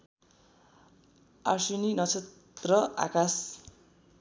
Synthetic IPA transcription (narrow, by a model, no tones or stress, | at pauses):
arsuninʌt͡sʰet̪ | rʌa̰kas